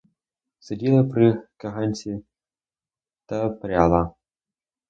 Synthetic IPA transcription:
sɐdʲilˠɐpɾɨkɐɦanʲt͡sʲi | t̪ɐpɾʲalˠa

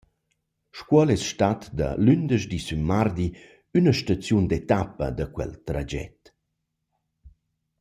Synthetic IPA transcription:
ʃkwɔlɛsʃtat̪d̪ə̰lynd̪əʃd̪isymːard̪i | ynəʃtat͡sjund̪et̪apə̰d̪akwɛ̰lt̪ɾad͡ʒɛ̰t̪

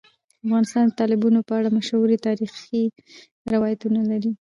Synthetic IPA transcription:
afɣɑnɪst̪ɑnd̪ət̪ɑlɪbunopəaɽamaʃawuɾit̪ɑɾixi | ɾɪwɑjat̪unalaɾi

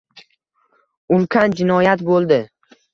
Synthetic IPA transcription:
ʊmkʲʰand͡ʒɪnɒjat̪bolˠd̪ɪ

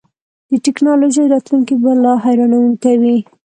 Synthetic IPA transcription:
d̪̥əʈɪknɑloʒəjɾɑt̪luŋkibalɑɦajɾɑnawənkawi

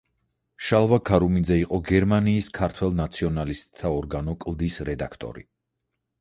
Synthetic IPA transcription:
ʃalˠvakʰaɾumind̪zɛiqʼɔɡɛɾmaniːskʰaɾt̪ʰwɛlˠnat̪sʰiɔnalist̪ʼt̪ʰːaɔɾɡanɔkʼlˠd̪isɾɛd̪akʰt̪ʼɔ̰ɾḭ

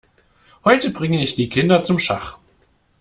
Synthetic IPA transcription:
hɔʏtəbʁɪŋəɪçd̥iːkʰɪndɐt͡sʊmʃaχ

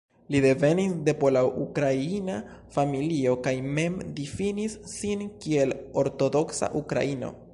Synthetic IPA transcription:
lide̞ve̞nisde̞polaʔukɾaina | familio̞kajme̞mdifinisːinkie̞lo̞ɾto̞do̞ksa̰ʔukɾa̰ino̞̰

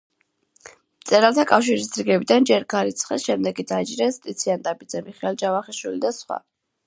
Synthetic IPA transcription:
mt̪sʼɛɾalˠt̪ʰakʼafʃiɾisd̪ɾiɡɛbid̪and͡ʒɛɾɡaɾit̪sʰχɛsʃɛmd̪ɛɡid̪aid͡ʒɾɛst̪ʼit̪sʰiand̪abid̪zɛmiχɛɛlˠd͡ʒavaχiʃwilid̪asχwa̰

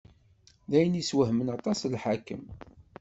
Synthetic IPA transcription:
ðæjəniswəɦmənɑt̪ˤɑslħakːə̰m

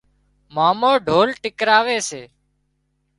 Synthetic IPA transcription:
maːmoːɖʱoːlʈɪkɾaːʋeːseː

